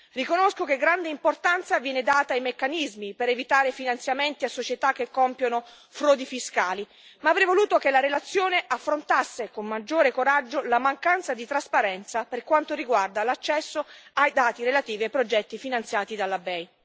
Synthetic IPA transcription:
rikonoskokeɡɾand̪eimport̪ant̪savjɛːned̪aːt̪aːjmekːanizmipeɾevit̪aːɾefinant̪sjament̪iasːot͡ʃet̪ak̟ːekːɔmpjono | fɾɔːd̪ifiskaːli | maːvɾɛjvoluːt̪okelaɾelat̪sːjoːneʔafːɾont̪asːekomːad͡ʒːoːɾekoɾad͡ʒːolamaŋkant̪sad̪it̪ɾaspaɾɛnt̪saperkwant̪oɾiɡward̪alat͡ʃːɛsːoajd̪aːt̪iɾelat̪iːviajpɾod͡ʒɛt̪ːifinant̪sjaːt̪id̪alːabɛj

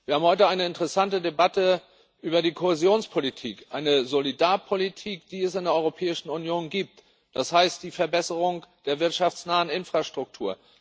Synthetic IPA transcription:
viːɐaːm̩hɔʏtəaɪnəɪntəʁɛsantədebatə | ʔyːbɐdiːkʰohezjoːnspʰolitʰḭːkʔaɪnəzolidaːɐpʰolitʰiːkd̥iːɛsɪndeːɐɔʁopʰɛːɪʃn̩ʊnjoːnɡiːp̚t | d̥ashaɪstd̥iːfɛɐbɛsəʁ̞ʊŋd̥eːɐvɪɐtʃaft͡snaːənɪnfʁ̥aʃtʁ̥ʊk̚tʰuːɐ

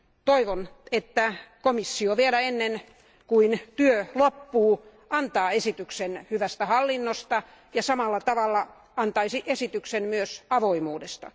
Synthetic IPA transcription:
t̪oiʋonet̪ːækomisːioʋielæenːen | kuint̪yølopːuː | ʔɑnt̪ɑːesit̪yksenhyʋæst̪æhɑlːinːost̪ɑ | jɑsɑmɑlːɑt̪ɑʋɑlːɑ | ɑnt̪ɑisiʔesit̪yksenmyøsɑʋoimuːdest̪ɑ̰

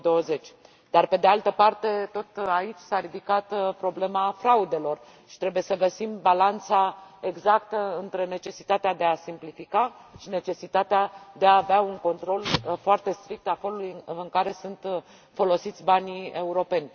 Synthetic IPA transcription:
d̪o̞əze̞t͡ʃʲ | d̪̥arpe̞d̪e̞alt̪əpart̪e̞t̪o̞t̪ait͡ʃʲsaɾid̪ikat̪pɾo̞ble̞mafɾaud̪e̞lo̞r | ʃi̥t̪ɾe̞buje̞səɡəsimbalant̪sae̞ɡzakt̪əɨnt̪ɾe̞ne̞t͡ʃe̞si̥t̪at̪ead̪e̞asimplifikaʃine̞t͡ʃe̞sit̪at̪ead̪e̞aːveauŋko̞nt̪ɾo̞lfoart̪e̞st̪ɾik̚t̪afelulujɨŋkaɾe̞sunt̪ | fo̞lo̞sit̪sʲbanie̞uɾo̞pe̞nʲ

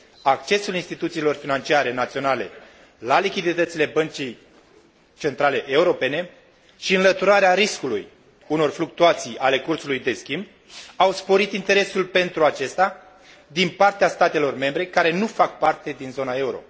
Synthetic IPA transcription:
ak̚t͡ʃe̞sulinst̪it̪ut̪siːlo̞rfinant͡ʃiaɾe̞nat̪sio̞nale̞̰ | lalikʲid̪it̪ət̪sile̞bənt͡ʃij | t͡ʃe̞nt̪ɾale̞ʔe̞uɾo̞pe̞ne̞ | ʃiɨnlət̪uɾaɾeaɾiskulṵj | uno̞rfluk̚t̪uat̪sijale̞kursulujd̪e̞skʲimb̚ | awspo̞ɾit̪int̪e̞ɾe̞sulpe̞nt̪ɾuat͡ʃe̞st̪a | d̪inpart̪east̪at̪e̞lo̞rme̞mbɾe̞kaɾe̞nufak̚part̪e̞d̪inzo̞nae̞uɾo̞̰

